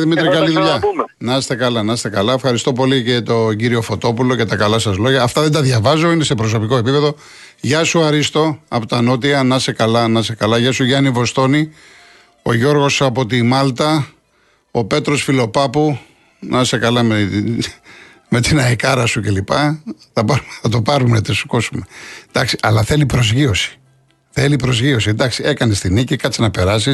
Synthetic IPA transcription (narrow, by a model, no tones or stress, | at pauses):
ðimit̪ɾikɐliðuʎɐ | nɐst̪e̞kɐlɐnɐst̪e̞kɐlɐe̞fxɐɾist̪o̞po̞licet̪o̞ɟiɾio̞fo̞t̪o̞pulo̞ce̞t̪ɐkɐlɐsɐzlo̞ʝɐːft̪ɐðed̪ɐðʝɐvɐzo̞inese̞pɾo̞s̬o̞pikoe̞pipe̞ðo̞ | ʝɐsuɐɾist̪o̞ɐpot̪ɐno̞t̪̬iɐnɐse̞kɐlɐnɐse̞kɐlɐʝɐsuʝɐnivo̞st̪o̞ni | o̞ʝo̞ɾɣo̞sɐpo̞t̪imɐlt̪ɐ | ope̞t̪ɾo̞sfilo̞pɐpu | nɐse̞kɐlɐme | me̞t̪inɐikɐɾɐsuce̞lipɐθɐpɐɾumeθɐt̪o̞pɐɾumeɐt̪esu̥ko̞sume̞d̪ɐksi̥ʔɐlɐθelipɾo̞zʝio̞si̥ | θe̞lipɾo̞zʝio̞sind̪ɐksie̞kɐne̞st̪inicikɐt̪t͡sinɐpe̞ɾɐsis